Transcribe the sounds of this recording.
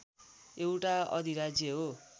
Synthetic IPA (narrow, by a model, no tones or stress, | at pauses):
ewʈaʌ̰d̪ʱiɾad͡zjʌɦo